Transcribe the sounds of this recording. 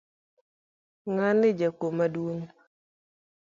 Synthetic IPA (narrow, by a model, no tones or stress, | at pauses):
ŋanɪd͡ʒakomadwoŋ